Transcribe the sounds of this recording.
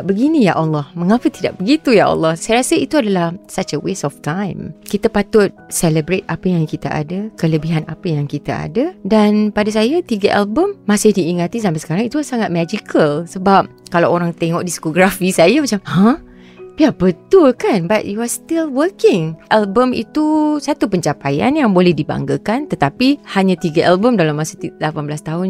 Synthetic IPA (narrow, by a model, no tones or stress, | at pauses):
bəɡinija̰ʔɔlːɔhmə̃ŋapət̪ida̰ʔ̚bəɡit̪ujaʔɔ̰lːɔhsajəɾasəit̪uadalahsat͡ʃəwesɔft̪ãjmkit̪apat̪ʊt̪̚sɛləbɾet̪̚apəjaŋkit̪aʔa̰dəkələbiɦanapəjaŋkit̪a̰ʔa̰dədanpadas̬ajat̪iɡəʔa̰lbəmːasɪhdiːŋat̪isamãsə̥kaɾaŋit̪usaŋat̪̚mad͡ʒikʰəlsəbap̚kalawoɾaŋt̪eŋɔʔdiskoɡɾafisajamat͡ʃamhə̃ | biabət̪ʊlkanbat̪̚iwɔst̪ilwəkɪŋʔɛlbəmḭt̪usat̪upəɲt͡ʃapaja̰njaŋbolɛhdiba̰ŋɡəkant̪ət̪apihaɲat̪iɡəʔalbəmdalamːasət̪ilapanbəlast̪aɦʊn